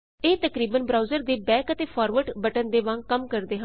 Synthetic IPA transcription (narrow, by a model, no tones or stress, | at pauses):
eːt̪əkɾiːbənbɾaːuzəɾd̪eːbɛ̃ːkət̪eːpʰaːɾʋəɖbəʈənd̪eːʋãŋɡkəmkəɾd̪eːɦə̃n